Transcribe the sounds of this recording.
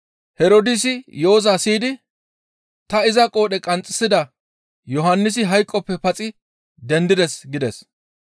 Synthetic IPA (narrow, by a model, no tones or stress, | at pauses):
hɛɾod̪ɪs̬ɪjo̞ːzasiːd̪ɪ | t̪ɐɪzɐkʼo̞ːɗɛkʼɐnt͡sʼːɪ̥sɪd̪ɐ | jɔɦɐnːɪs̬ɪɦɐjkʼːɔpːɛpɐt͡sʼɪ | d̪ɛnd̪ɪd̪ɛsɡɪd̪ɛs